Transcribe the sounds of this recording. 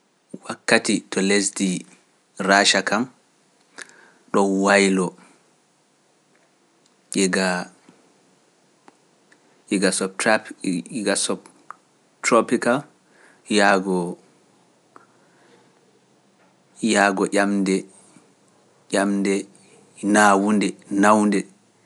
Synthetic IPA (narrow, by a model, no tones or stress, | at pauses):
wakːatitɔlesdi | raːʃakam | ɗɔnwajlɔ | ʔɛɡa | ɛɡasɔt | ɡasɔb | tɾɔpikal | jaɡɔ | jaːɡɔʔʲamdɛ | ʔʲamdɛ | naːwundɛnawndɛ